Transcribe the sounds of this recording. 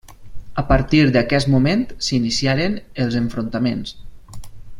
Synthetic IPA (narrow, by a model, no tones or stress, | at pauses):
əpəɾt̪iɾd̪əkɛsmument̪sinisiaɾenelˠzəɱfɾont̪amens